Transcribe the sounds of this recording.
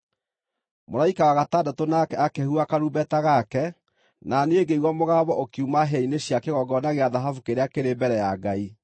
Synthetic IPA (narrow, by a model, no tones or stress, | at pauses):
moɾaikawaɣataːdatonakɛakɛhuakaɾubɛtaɣakɛ | naneeɡeiɣwɔmoɣaːβɔʔokjumaɦɛineɕjakeɣɔɡɔnaɣeaðaɦafukeɾeakeɾebɛɾɛjaɡai